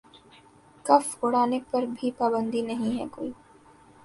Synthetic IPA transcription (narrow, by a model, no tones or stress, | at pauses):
kɐfʊɽaːnepɐɾbʱipaːbə̃nd̪inɐɦĩɦɛ̰koːiː